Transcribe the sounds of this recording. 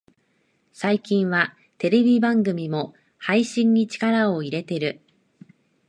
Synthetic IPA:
saikʲĩɰ̃βa | t̪e̞ɾe̞bʲibãŋɡɯ̟mʲimo̞ | haiɕĩɲ̟ːit͡ɕi̥kaɾao̞iɾe̞t̪e̞ɾɯ̟

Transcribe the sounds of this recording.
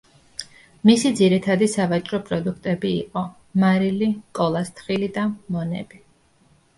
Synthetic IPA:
misid̪ziɾit̪ʰad̪isavat͡ʃʼɾɔpʼɾɔd̪ukʰt̪ʼɛbḭːqʼɔ | maɾilikʼɔlˠast̪ʰχilid̪amɔnɛ̰bi

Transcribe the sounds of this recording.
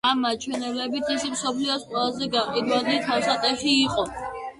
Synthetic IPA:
amːat͡ʃʰwɛnɛblɛbit̪ʰisimsɔpʰliɔsqʼwɛlˠazɛɡaqʼid̪walit̪ʰawsat̪ʼɛʃiːqʼɔ

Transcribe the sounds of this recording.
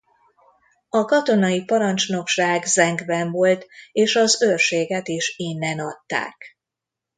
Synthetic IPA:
ɒkɒt̪o̞nɒjipɒɾɒnt͡ʃno̞kʃaːɡzɛŋɡbɛɱvo̞lt̪eːʃɒzørʃeːɡɛt̪iʃinːɛnɒt̪ːa̰ːk

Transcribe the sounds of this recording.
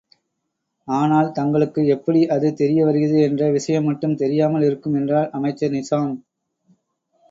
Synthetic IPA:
aːnaːlt̪ɐŋɡɐɭɯkːɯɛpːɐɽiʔɐðɯt̪ɛɾɪjɐʋɐɾɯɣɐðɯɛndrɐʋɪʂɐjɐmːɐʈːɯmt̪ɛɾɪjaːmɐlɪɾɯkːɯmɛndraːlʔɐmɐɪt͡ʃːɐnɪsaːm

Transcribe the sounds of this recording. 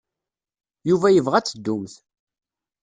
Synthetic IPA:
juvæjəvʁæt͡sːəd̪ːʊmθ

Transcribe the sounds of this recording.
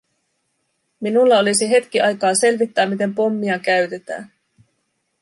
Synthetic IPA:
minulːɑo̞lisiɦe̞t̪k̟iʔɑjkɑːse̞lʋit̪ːæːmːit̪e̞mpo̞mːiɑkæɥt̪e̞t̪æ̰ːn

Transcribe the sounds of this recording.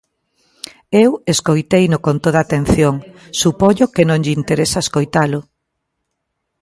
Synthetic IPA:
eweskojt̪ejnʊkont̪oðat̪enθjoŋ | supoɲʊkenõŋʎint̪eɾesaeskojt̪alʊ

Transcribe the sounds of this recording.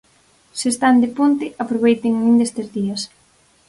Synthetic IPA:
sest̪and̪ɪpont̪ɪʔapɾoβ̞ejt̪ɪŋnĩnd̪est̪ezðiɐs

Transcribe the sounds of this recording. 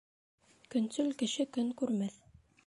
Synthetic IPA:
kɵ̆nsʉlkɘ̆ʃɘkɵŋkʉɾmæθ

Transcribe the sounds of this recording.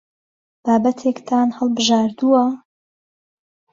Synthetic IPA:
b̥aːbɐt̪ʰekt̪ʰaːnhɐlˠbɨʒaːɾd̪uwɐ

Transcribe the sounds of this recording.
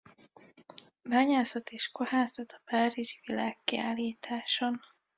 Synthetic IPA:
baːɲaːsɒt̪eːʃkohaːsɒt̪ɒ̥paːɾiʒivilaːkːia̰ːlːiːt̪ʰaːʃon

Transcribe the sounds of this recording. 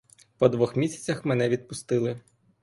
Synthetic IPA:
pɔd̪ʋɔxmʲisʲɐ̥t͡sʲɐxmenɛʋʲid̪̚pʊst̪ɪlˠɪ

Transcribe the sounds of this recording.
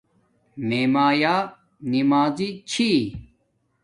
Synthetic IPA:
meːmaːjaː | nimaːzit͡ɕʰi

